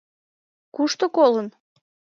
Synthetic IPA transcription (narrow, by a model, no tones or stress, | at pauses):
kuʃt̪okolən